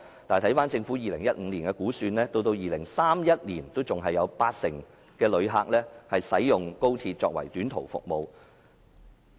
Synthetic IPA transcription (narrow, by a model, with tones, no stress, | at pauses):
t̪aː˨˩jt̪ʰɐ˨˥jfaː˥nt͡sɪ˧ŋfu˨˥jiː˨lɪ˨˩ŋjɐ˥t̚ŋ̩ː˨˧˥liː˨˩nkɛː˧kuː˨˥syː˧nlɛː˥t̪o˧wt̪o˧wjiː˨lɪ˨˩ŋsaː˥mjɐ˥t̚liː˨˩nt̪o˥wt͡sʊ˨ŋɦɐ˨jɐ˨˧wpaː˧t̚sɪ˨˩ŋ | kɛː˧lɵ˨˧ɥɦaː˧k̚lɛː˥hɐ˨jsɐ˨˥jjʊ˨ŋko˥wt̪ʰiː˧t̚t͡ʃɔ̰ː˧k̚wɐ̰˨˩jt̪yː˨˥nt̪ʰo̰˨˩wfʊ̰˨k̚mo˨˧w